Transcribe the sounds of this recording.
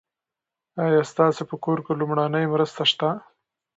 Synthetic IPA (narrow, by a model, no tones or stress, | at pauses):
ɑjɑst̪ɑsepəkoɾkelumɽanəjmɾəst̪aʃt̪a